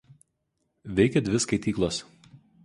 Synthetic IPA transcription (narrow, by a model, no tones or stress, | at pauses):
ʋʲɛɪkʲɛd̪ʲʋʲɪskɐɪt̪ʲiːklˠos